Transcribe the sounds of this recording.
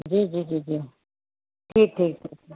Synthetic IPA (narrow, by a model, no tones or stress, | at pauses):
d͡ʒiːd͡ʒiːd͡ʒiːd͡ʒiː | ʈʰiːk̚ʈʰiːk̚ʈʰiːk̚ː